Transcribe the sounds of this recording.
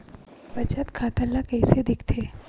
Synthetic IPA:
bɐt͡ʃət̪kʰaːt̪əlːakɐjsed̪ɪkʰt̪ʰeː

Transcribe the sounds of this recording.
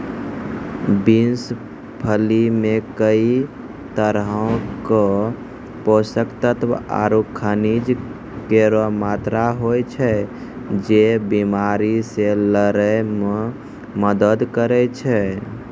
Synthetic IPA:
bins | pʰəlimekəi | t̪əɾɦõkə | posəkt̪ət̪ʋa̰ɾukʰənid͡ʒ | keɾomat̪ɾaɦojt͡ʃʰɛ | d͡ʒebimaɾiseləɾəjme | məd̪əd̪kəɾɛt͡ʃʰɛ

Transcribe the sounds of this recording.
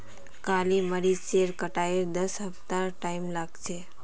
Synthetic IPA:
kaliməɾit͡ɕeɾkəʈaiɾd̪əsɦəft̪aɾʈaimlaɡt͡ʃe

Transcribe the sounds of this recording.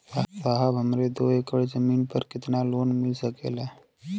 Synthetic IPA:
asaːɦəbɦəmɾed̪oːeːkəɽd͡ʒəmiːnpəɾkɪt̪naloːnmɪlsəkḛːlaː

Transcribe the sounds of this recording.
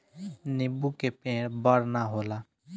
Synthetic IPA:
nɪbukepẽːɽbəɽnaɦoːlaː

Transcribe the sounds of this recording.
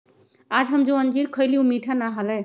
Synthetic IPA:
ad͡ʒɦəmd͡ʒõənd͡ʒiɾkʰəjliũmiʈʰanaɦəlɛ

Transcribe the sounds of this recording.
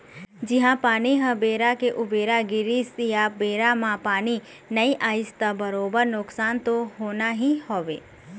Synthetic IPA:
d͡ʒɪɦãpaːñiɦəbeːɾakeʔʊbeɾaɡɪɾisijabeːɾamãpaːñi | nəiʔaɪst̪abəɾoːbəɾnʊksant̪oɦonaɦĩhɔːʋe

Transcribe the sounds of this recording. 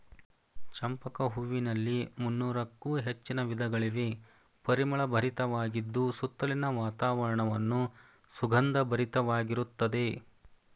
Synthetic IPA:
t͡ʃɐmpɐkɐɦuʋinɐlːimunːuːɾɐkːuːɦet͡ʃːinɐʋid̪ʱɐɡɐɭiʋe | pɐɾimɐɭɐbʱɐɾit̪ɐʋaːɡid̪ːusut̪ːɐlinɐʋaːt̪aːʋɐɾɐɳɐʋɐnːu | suɡʱɐnd̪ɐbʱɐɾit̪ɐʋaːɡiɾut̪ːɐd̪e̞

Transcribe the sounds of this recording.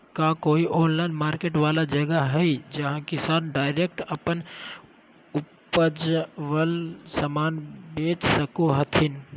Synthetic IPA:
kakoːiʔoːnlaːɪnmaːɾkeːʈʋaːlad͡ʒɐɡəɦɛid͡ʒɐɦãkɪsaːnɖaːɪɾeːk̚ʈɐpən | ʊpəd͡ʒʋəlsəmaːnbeːt͡ʃsəkoɦət̪ʰɪn

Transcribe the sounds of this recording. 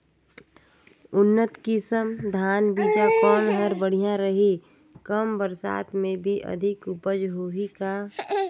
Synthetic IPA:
ʊnːət̪kɪsəmd̪ʱaːnbiːd͡ʒapɔːnɦəɾbəɽ̤ijãɾəɦi | kəmbəɾsa̰ːt̪mẽbʱiʔɐ̰d̪ʱɪkʊpəd͡ʒɦoːɦika

